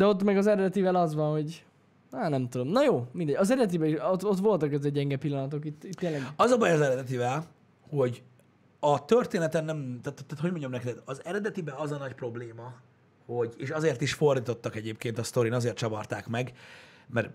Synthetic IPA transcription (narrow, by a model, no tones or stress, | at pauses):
d̪ɛo̞t̪ːmɛɡɒzɛɾɛd̪ɛt̪ivɛlɒzʋɒnho̞ɟ | aːnɛmt̪ud̪o̞mnɒjoːmind̪ɛɟɒzɛɾɛd̪ɛt̪ibɛiʃot̪o̞t̪ʋo̞lt̪ɒkɛzɛɟɛŋɡɛpilːɒnɒt̪o̞kit̪ːit̪ːeːlːɛɡɒzɒbɒjɒzɛɾɛd̪ɛt̪̬ivɛl | ho̞ɟ | ɒt̪ørt̪eːnɛt̪ɛnːɛmt̪æt̪ːt̪ːaːt̪o̞ɟmoɲɟomnɛkɛt̪ɛt̪ɒzɛɾɛd̪ɛt̪ibɛɒzɒnɒcpro̞bleːmɒ | ho̞ɟeːʃɒzeːrt̪iʃfo̞rd̪iːt̪o̞t̪ːɒkɛɟeːpkeːnt̪ɒst̪o̞ɾiːnɒzeːrt̪t͡ʃɒbɒrt̪aːkmɛɡmɛr